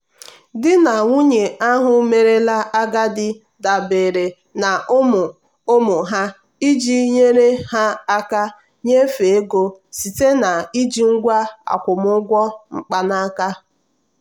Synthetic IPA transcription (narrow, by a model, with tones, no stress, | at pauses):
dɪ˦na˨ŋʷu˦ɲe˨a˦ɦʊ˦me˨ɾe˦la˦a˦ɡa˦dɪ˦ | da˨be˨ɾe˨ | na˨˦m˨ | o˦mʊ˨ɦa˦ | i˦d͡ʒi˦ɲe˦ɾe˦ha˦a˦ka˦ | ɲe˦fe˨e˦ɡo˦si˨te˦na˨i˦d͡ʒi˦ŋ̩˦ɡʷa˦a̰˨kʷʊ˨mʊ˦ɡʷɔ˦ŋ͡m̩˨k͡pa˦na˦a˦ka˦